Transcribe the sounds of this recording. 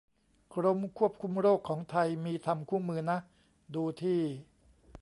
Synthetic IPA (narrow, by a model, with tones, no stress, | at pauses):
kʰɾo˧mkʰu˥˩əp̚kʰu˧mɾoː˥˩kʰːɔː˩˦ŋt̪ʰa˧jmiː˧t̪ʰa˧mkʰuː˥˩mɯː˧na˦˥ʔ | duː˧t̪ʰiː˥˩